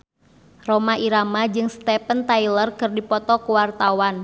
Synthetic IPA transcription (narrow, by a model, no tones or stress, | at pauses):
romaʔiɾamad͡ʒɨŋst̪ɛpənt̪ailərkɨrdipɔt̪ɔkuwart̪awan